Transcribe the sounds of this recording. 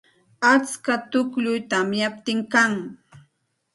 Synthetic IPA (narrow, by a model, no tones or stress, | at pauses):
at͡skat̪ʊkʎʊjt̪amjap̚t̪ɪŋkaŋ